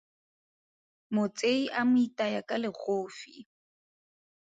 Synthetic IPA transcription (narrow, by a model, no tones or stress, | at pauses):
mʊt͡sʼeiʔamʊitʼajakʼalɪɣoːfḭ